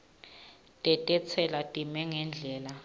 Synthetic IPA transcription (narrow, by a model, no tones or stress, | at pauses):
tʼɛtʼɛt͡sʰɛlatʼimɛŋɛnd͡ɮʱɛːla